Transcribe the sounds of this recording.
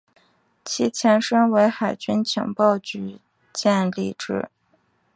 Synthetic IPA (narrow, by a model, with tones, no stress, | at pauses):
t͡ɕʰi˥t͡ɕʰjɛ˧˥nʂɤ˥ŋwe˧˥ɪxa˨˩ɪt͡ɕy˥nt͡ɕʰjɑ̰˧˥ŋpɑ˥˩ʊt͡ɕy˧˥ | t͡ɕjɛ˥˧nlḭ˥˧ʈ͡ʂɻ̩˥˩